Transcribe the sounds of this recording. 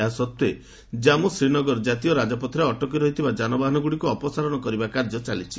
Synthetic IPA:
asɔt̪ːe | d͡ʒamusɾinɔɡɔɾɔd͡ʒat̪ijɔɾad͡ʒɔpɔt̪ʰɾeɔʈɔk̬iɾɔɦit̪ʰibad͡ʒanɔbaɦɔnɔɡuɽikuɔpɔsaɾɔnɔkɔɾibakaɾd͡ʒɔt͡ʃalit͡ʃʰi̥

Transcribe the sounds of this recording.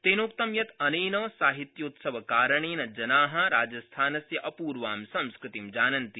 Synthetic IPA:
t̪eːnokt̪ɐmjɐt̪ɐneːnɐsaːɦit̪jɐut̪sɐʋɐkaːɾɐɳeːnɐd͡ʒɐnaːɦɐ̆ɾaːd͡ʒɐst̪ʰaːnɐsjɐʔɐpuːɾʋaːmsɐ̃mskɾɪt̪imd͡ʒaːnɐnt̪i

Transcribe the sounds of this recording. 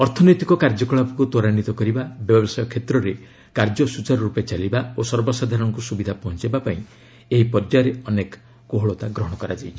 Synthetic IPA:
ɔɾt̪ʰɔnɔjt̪ikɔkaɾd͡ʒɔkɔɭapɔkut̪ɔɾañit̪ɔkɔɾibabjɔbɔsajɔkʰet̪ɾɔɾe | kaɾd͡ʒɔsut͡ʃaɾɔɾupet͡ʃalibaosɔɾbɔsad̪ʱaɾɔɔŋkusubid̪ʱapɔɦɔnt͡ʃibapaĩ | eɦipɔɾd͡ʒaɾeɔnek | koɦɔɭɔt̪aɡɾɔɦɔɽ̃ɔkɔɾad͡ʒajt͡ʃʰi

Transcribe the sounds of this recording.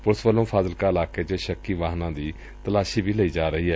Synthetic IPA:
pʊɾsʋəlːõːpʰaːzəlkaːɪlaːkeːt͡ʃeʃəkːiːʋaːɦnãːd̪iː | t̪əlaːʃiːbʱiːləiːd͡ʒaːɾəɦiːɦɛː

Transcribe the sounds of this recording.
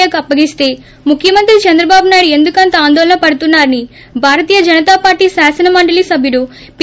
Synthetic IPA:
akɐpːɐɡist̪e̞ː | mukʰjɐmɐnt̪ɾit͡ʃɐnd̪ɾɐbaːbunaːjɽue̞nd̪ukɐnt̪ɐaːnd̪ɔːlɐnɐpɐɽut̪unːaːɾɐni | bʱaːɾɐt̪iːjɐd͡ʒɐnɐt̪aːpaːɾʈiːsaːsɐnɐmɐɳɖɐlisɐbʱjuɽu | p

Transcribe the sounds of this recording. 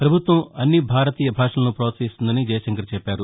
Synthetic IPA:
pɾɐbʱut̪ʋɐmɐnːibʱaːɾɐt̪iːjɐbʱaːʂɐlɐnupɾɐːɐt̪siːst̪und̪ɐnid͡ʒɐjɐʃɐŋkɐɾt͡ʃɛpːaːɾu

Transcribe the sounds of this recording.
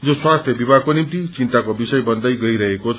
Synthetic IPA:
d͡zoswast̪ʰjʌbibʱakonimt̪it͡sint̪akobisʌjbʌnd̪ʌjɡʌiɾʌɦekot͡sʰ

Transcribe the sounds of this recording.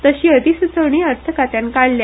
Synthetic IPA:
t̪əɕiːəd̪ʱisut͡səʋɳ̃iəɾt̪ʰəkat̪jãnkaɭlja

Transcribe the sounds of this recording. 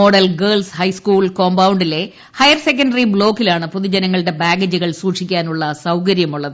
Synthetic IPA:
oːɽɐlɡɐːɭshɐjskuːɭkoːmbɐwɳɖile̞ | hɐjɐrse̞k̬ːɐnɖɐribɭo̞ːkːilaːɳɨpuðid͡ʑɐnɐŋːɐɭɽe̞baːɡɐd͡ʑuɣɐɭsuːʈʂikʲːaːnuɭːɐsɐwkɐɾjɐmuɭːɐðɨ

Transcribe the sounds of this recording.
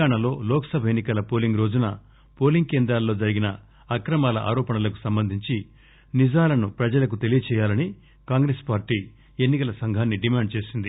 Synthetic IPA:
aːɳɐlo̞ːlɔːkɐ̥sɐbʱɐjenːikɐlɐpoːliŋɡɾo̞ːd͡ʒunɐ | po̞ːliŋɡ̚keːnd̪ɾaːlːo̞ːd͡ʒɐɾiɡinɐ | ɐkɾɐmaːlɐ̰ʔa̰ːɾɔːpɐɳɐlɐku̥sɐmbɐnd̪ʱiɲt͡ʃi | nid͡ʒaːlɐnupɾɐd͡ʒɐlɐk̬ut̪e̞lijɐt͡ʃɛːjaːlɐni | kaːŋɡɾeːspaːɾʈiː | e̞nːikɐlɐsɐŋɡʱaːnːiɖimaːɳɖ̚t͡ʃe̞ːsind̪i

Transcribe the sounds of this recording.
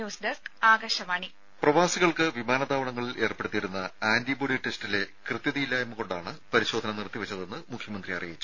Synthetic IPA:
oːsd̪ɐsaːɡɐɕɐmaːɳi | prɐʋaːsiɣɐɭkɨʋimaːnɐd̪aːʋɐɳɐŋːɐɭilʔe̞ːrpeɽut̪ːiiɾunːɐaːnd̪iboːɽiʈːe̞stile̞krɨt̪jɐðijilːaemːɨko̞ɳɖaːɳɨpɐɾiɕo̞ːd̪ʱɐnɐnirt̪ːiʋɐt͡ɕːɐðe̞nːɨmukʰjɐmɐnd̪riɐ̰rijit͡ɕːu̥

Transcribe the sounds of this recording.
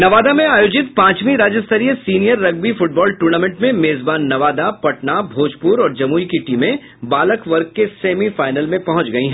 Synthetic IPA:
nɐʋaːd̪amẽaːjoːd͡ʒɪt̪pãːt͡ʃmĩɾaːd͡ʒəst̪ʰəɾijəsiːnijəɾːɐɡ̚bifʊʈ̚bɔːlʈuːɾnaːmẽɳʈmẽmeːzbaːnːɐʋaːd̪apɐʈnabʱoːd͡ʒpuɾɔːɾd͡ʒɐmuːikiʈiːmẽ | baːləkʋɐɾk̚keseːmifaːɪnəlmẽpɐɦʊ̃t͡ʃɡɐiɦɛ̃ː

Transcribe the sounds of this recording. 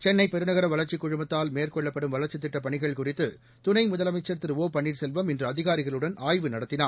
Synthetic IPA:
t͡ʃɛnːɐɪpɛɾɯnɐɣɐɾɐʋɐlɐɾt͡ʃːɪkːʊɻʊmɐt̪ːaːlmeːrkɔɭːɐpːɐɽɯmʋɐlɐɾt͡ʃːɪt̪̬ːɪʈːɐpːɐɳɪɣɐɭkʊrɪt̪ːɯ | t̪ʊnɐɪmʊðɐlɐmɐɪt͡ʃːɐɾt̪ːɯɾʋoːpɐɳːiʈsɛlʋɐmɛndrɯɐðɪɣaːɾɪɣɐɭɯɽɐnaːjʋɯnɐɽɐt̪ːɪnaː

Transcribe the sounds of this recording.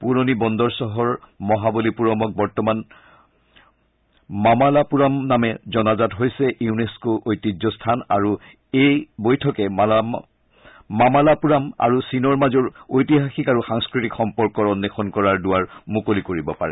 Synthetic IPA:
puɹonibɔndɔɹsɔɦɔɹ | mɔɦabolipuɹɔmɔk̚bɔɹtɔman | mamalapuɹamnamɛzɔnazatɦojsɛʔiuneskoʔojtizɔstʰanaɹu | ejbojtʰɔkɛ | mamalapuɹama̰ɹusinɔɹmazɔɹojtiɦaxikaɹuxaŋskɹitikxɔmpɔɹkɔɹɔnːexʰɔnkɔɹaɹdʊwaɹmukolikoɹibɔpaɹɛ

